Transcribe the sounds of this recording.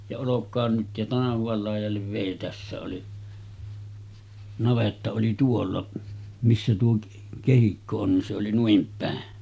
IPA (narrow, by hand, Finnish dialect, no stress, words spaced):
jɑ olokˑɑːn nyt jɑ tɑnɑhuʋɑl lɑˑijˑɑlːeʋ ʋeˑi tæsːæ oli nɑʋetːɑ oli tuolːɑ misːæ tuo kehikːo on nin se oli nuim pæˑen